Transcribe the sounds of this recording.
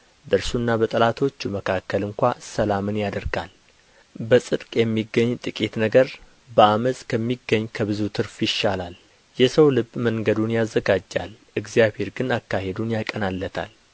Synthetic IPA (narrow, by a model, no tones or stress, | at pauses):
bəɨɾsunːabət̪ʼəlat̪ʰo̞t͡ʃːuməkʰakːəlɨŋkʷasəlamɨnjad̪əɾɡa̰l | bəsʼɨd̪kʼjɛmːiɡːəɲːt̪ʼɨkʼit̪nəɡəɾ | bəaməsʼkʰəmːiɡːəɲːkʰəβɨzut̪ʰɨɾfjɪʃːalal | jɛsəwlɨbməŋɡəd̪unjazːəɡad͡ʒːa̰lʔɨɡzjaβhe̞ɾɡɨnakːahed̪unjakʼənalːət̪ʰa̰l